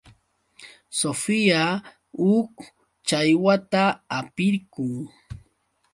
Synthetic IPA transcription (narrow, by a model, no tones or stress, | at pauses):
sofija | ʊk | t͡ʃajwat̪aːpɪɾkʊŋ